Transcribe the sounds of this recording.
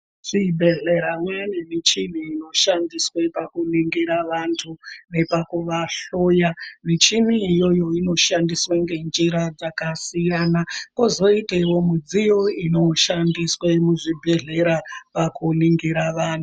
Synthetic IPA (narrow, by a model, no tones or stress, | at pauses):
ʐ̥ibʱe̞ɮe̞ɾamwanemit͡ʃin̤iːno̞ʃandiswepakuniŋɡiɾaʋantʰune̞pakuʋaɬojamit͡ʃimiːjo̞jo̞ino̞ʃandiswaŋɡe̞nd͡ʒiɾad͡zakasijaːnako̞zo̞iteiwo̞mud͡zijoino̞ʃandiswemuʐibʱe̞ɮe̞ɾapakuniŋɡiɾaʋaːntu